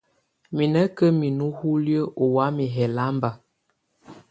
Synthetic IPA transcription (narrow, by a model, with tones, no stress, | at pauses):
mi˨nə˦kə˦mi˨nu˦hu˦ljə˦ʔo˨wa˨˦mi˨ɦɛ˨la˨˦mba˨